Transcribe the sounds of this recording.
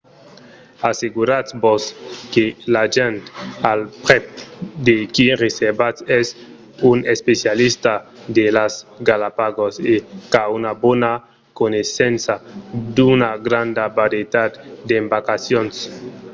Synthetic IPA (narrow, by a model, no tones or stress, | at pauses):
aseɡuɾaboskelaʒent̪alpɾepd̪ekireseɾbat͡sɛs | unespesjalist̪ad̪elasɡalapaɡosekaunabona | konesensad̪unaɡɾand̪abaɾet̪at̪d̪eːmbakasjons